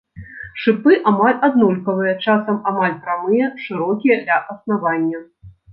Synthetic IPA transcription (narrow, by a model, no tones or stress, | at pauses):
ʂɨpɨʔamalʲʔad̪nɔlʲkɐvɨjɐt͡ʂasɐmamalʲpɾamɨjɐʂɨɾɔkʲijɐd̪lʲɐʔɐsnavanʲːɐ